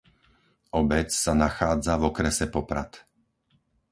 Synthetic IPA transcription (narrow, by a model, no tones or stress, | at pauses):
ʔɔbɛt͡ssanaxaːd͡zavɔkɾɛsɛpɔpɾat̪